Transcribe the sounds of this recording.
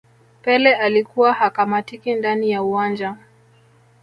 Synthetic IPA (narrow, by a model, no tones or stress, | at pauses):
pɛlɛʔalikuwahakamatikindanijauwand͡ʒa